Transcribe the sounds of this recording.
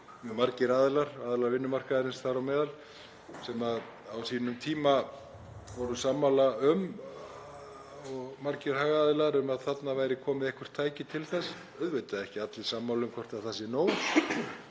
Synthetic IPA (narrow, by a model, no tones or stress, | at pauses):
mmaɾcɪɾaːðɪlaɾ̥aːðlaɾvɪnːʏmar̥kaðaɾɪnst̪aɾawmɛːðal | sɛːmað | awsiːnʏmt̪ʰiːma | vɔɾʏsaːmːawlaʏm | ɔɣmaɾcɪɾ̥haːɣaːðɪlaɾʏmaðθat̪navaːjɾɪkʰɔːmɪðɛhkʰvʏ̥ɾ̥t̪ʰːaːjcɪt̪ʰɪlθɛsː | œðvejt̪aðɪɛhcɪat̪lɪsaːmːawlʏmkʰɔrt̪aθasːɪnoːw